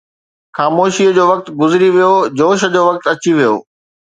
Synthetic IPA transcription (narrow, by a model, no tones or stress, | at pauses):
xaːmoːʃiəd͡ʑoːʋɐk̚t̪ɡʊzɪɾiʋijod͡ʑoːʃə̆d͡ʑoːʋɐk̚t̪ɐt͡ɕiʋijo̰ː